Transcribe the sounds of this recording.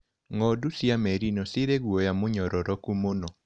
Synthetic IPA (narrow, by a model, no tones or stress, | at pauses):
ŋɔdusjamɛɾinɔsɪɾeɣwɔjamʊɲɔɾɔɾɔkumonɔ